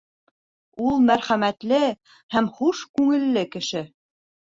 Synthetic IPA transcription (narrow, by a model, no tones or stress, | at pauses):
ulˠmæɾχæmæt̪lɘ | hæmχuʃkʉŋɘ̆lːɘkɘ̆ʃɘ